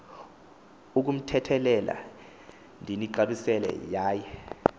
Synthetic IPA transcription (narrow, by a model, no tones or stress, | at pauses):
uk̬um̩tʰɛtʰɛlɛlʔa̰ | ndʱiniǃaɓisɛlɛ̰jaːjɛ